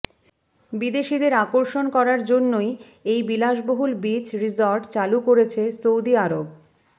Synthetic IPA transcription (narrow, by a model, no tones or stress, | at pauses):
bid̪eʃid̪eɾakoɾʃonkɔɾaɾd͡ʑonːoj | ejbilaʃboɦulbit͡ɕɾizoɾɖt͡ɕalukoɾet͡ɕʰesowd̪iaɾob